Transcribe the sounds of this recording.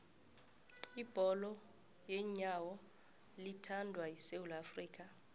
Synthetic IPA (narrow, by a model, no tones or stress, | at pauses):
ib̥ʱɔlɔ | jɛɲawɔ | litʰandʱwaisewulafriːk̬ʼa